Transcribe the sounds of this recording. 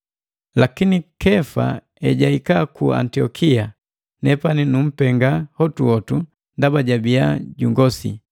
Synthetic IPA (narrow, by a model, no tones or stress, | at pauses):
lakinikɛfa̰ | ɛɟaikakua̰ntiɔkʰia | nɛpaninum̩pɛŋɡahɔtuɔtu | ndabaɟabiaɟuŋɡɔsḭ